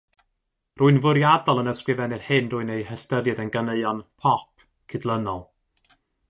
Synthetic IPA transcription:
ruːɨnvʊɾjadɔlˠənəskrɨvɛnɨrhɨnruːɨnejhɛstəɾjɨðənɡəneɨɔnpʰɔp̚ʰ | kʰɨdlˠənɔlˠ

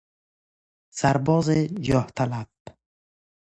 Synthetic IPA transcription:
sæɾbɔːzid͡ʒɒht̪ʰalab

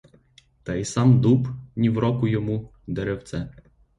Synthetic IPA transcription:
t̪ɑisɑmd̪upnʲiwɾɔkʊjɔmu | d̪ɛɾɛwt̪sɛ

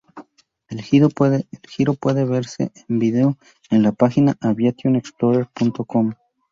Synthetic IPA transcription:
elielxiɾo̞pwe̞ðeβe̞ɾsḛʔembiðeo | enlapaxinaʔaβjat̪joneksploɾeɾpunt̪o̞ko̞m

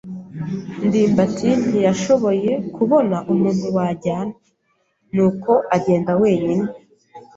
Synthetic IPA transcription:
ndiːmbatʰinijaʃo̞βo̞je̞kʰuβo̞naʔumuːn̥huwaɟaːna | nuːko̞ʔaɟe̞ːndawe̞ːɲine

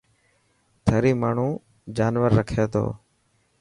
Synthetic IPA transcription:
t̪ʰəɾiːmaːɳ̤ũː | d͡ʒaːnʋəɾːəkʰeːt̪ʰo̰ː

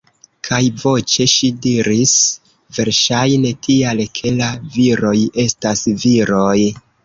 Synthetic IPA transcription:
kʰajvo̞t͡ʃe̞ʃidiɾis | ve̞ɾʃajne̞tʰialkʰe̞laviɾo̞je̞stasviɾo̞j

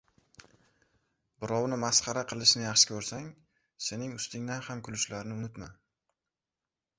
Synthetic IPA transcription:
bɪɾɒwnɪmasχɑɾaqʰɨlˠɪʃnɪjɑχʃɪ̥kʲʰɵɾsaŋ | se̞nɪŋʊst̪ɪŋd̪anhamkʰʊlʊʃlaɾɪnɪʊnɪt̪ma

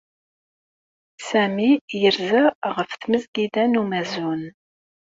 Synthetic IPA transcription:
sæmijəɾzəʁəfθməzɡid̪ænumæzun

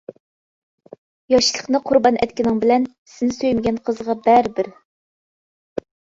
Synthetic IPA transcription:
jɑʃlˠə̥χnɨqʰʊɾbɑnʔɛt̪̚kʲinɪŋbɪlɛn | sɪnɪsøjmɪɡʲɛnqʰəzʁɑbɛɾbɪɾ

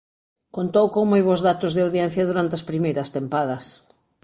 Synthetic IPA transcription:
kont̪owkoŋmojβozðat̪ʊzðɪawðjɛn̟θjɐðuɾant̪eɐspɾimejɾɐst̪empað̞ɐs

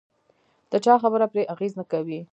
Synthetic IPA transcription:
d̪̥ət͡ʃɑxabəɾapɾeʔaɣeznəkawi

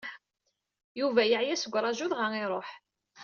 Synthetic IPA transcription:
juvæjəʕjæsəɡʷːɾˤɑʒuðʁəŋiɾˤoħ

